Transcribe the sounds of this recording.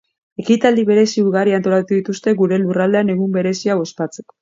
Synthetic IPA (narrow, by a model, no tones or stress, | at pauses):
e̞kit̪ald̪iβe̞ɾe̞siuɾɣarɾiant̪o̞lat̪uuðit̪ust̪e̞ɣuɾe̞lurald̪eane̞ɣ̞umbe̞ɾe̞siaβo̞spat͡se̞ko̥